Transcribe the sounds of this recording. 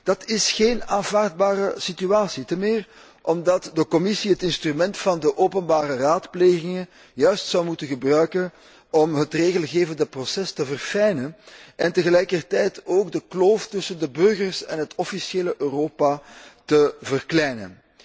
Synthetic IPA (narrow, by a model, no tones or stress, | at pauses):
d̥ɑtʰɪsxeːnaːnvaːrd̚baːɾəsityaːsitəmɪːr | ʔɔmdɑtdəkɔmɪsiɦətɪnstrymɛntfɑndəʔoːpənbaːɾəraːtpleːɣɪŋən | jœɥstsɑwmutənɣəbrœɥkən | ɔmɦətreːɣəlˠɣeːvəndəprosɛstəvərfɛjnənʔɛntəɣəlɛjkərtɛjtʰoːɡdəkloːftʏsəndəbɵrɣərsɛnɦətɔfiseːləʔøːroːpatəvərklɛjnə̰n